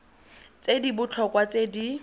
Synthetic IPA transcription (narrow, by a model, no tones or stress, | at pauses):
t͡sedibʊt͡ɬʰɔkwat͡sedi